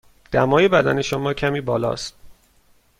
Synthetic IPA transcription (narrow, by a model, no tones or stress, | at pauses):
d̪̥æmɒːje̞bæd̪æne̞ʃomɒːcʰæmiːbɒːlɒ̰ːst̪̚